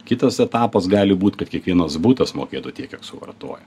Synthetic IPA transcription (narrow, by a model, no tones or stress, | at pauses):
kʲɪt̪ɐsɛt̪ɑːpɐsɡɑːlʲɪbuːt̪ʲkɐt̪kʲiɛkʋʲiɛnɐsbut̪ɐsmo̰ːkʲeːt̪uːt̪ʲiɛkʲɛksʊʋɐ̰rt̪o̰ːjɛ